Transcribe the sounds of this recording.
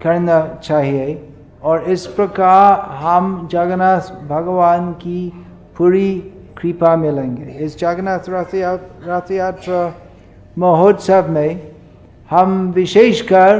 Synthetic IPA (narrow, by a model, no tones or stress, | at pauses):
kɐɾnat͡ʃaːɦie | ɔːɾɪspɾɐkaːɾɦəmd͡ʒaɡnasbʱɐɡʋaːnki | puɾi | kɾipamɪlẽːŋɡeɪsd͡ʒaɡnaaɾatjaːt̪ɾə | məɦod̪səbʱmẽ | hɐmʋɪʃeːʃkɐɾ